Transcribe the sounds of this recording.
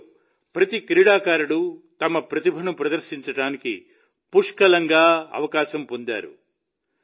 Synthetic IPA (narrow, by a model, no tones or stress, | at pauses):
pɾɐt̪ikɾiːɽaːkaːɾuɽut̪ɐmɐpɾɐt̪ibʱɐnupɾɐd̪ɐɾʃiɲt͡ʃɐɽaːnikḭ | puʂkɐlɐŋɡaːɐ̰ʋɐkaːʃɐmpond̪a̰ːɾṵ